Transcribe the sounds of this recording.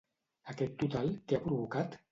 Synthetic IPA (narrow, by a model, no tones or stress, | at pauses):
akɛt̪ːut̪alt̪eapɾuβukat̪